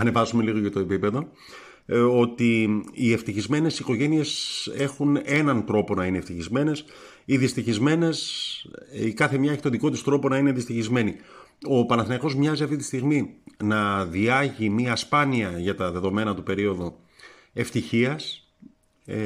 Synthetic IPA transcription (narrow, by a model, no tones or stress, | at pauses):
ɐne̞vɐsume̞liɣo̞cɐt̪oe̞pipe̞ðo̞ | o̞t̪iːe̞ft̪içizme̞ne̞siko̞ʝe̞nie̞se̞xune̞nɐnt̪ɾo̞po̞nɐineft̪içizme̞ne̞s | iðist̪içizme̞ne̞s | ikɐθe̞mɲɐeçi̥t̪oðiko̞t̪ist̪ɾo̞po̞nɐineɐðd̪ist̪içizme̞ni | o̞pɐnɐθinɐko̞zmɲɐziɐft̪it̪ist̪iɣminɐðiɐʝimiɐspɐniɐʝɐt̪ɐðe̞ðo̞me̞nɐt̪upe̞ɾio̞ðo | e̞ft̪içiɐs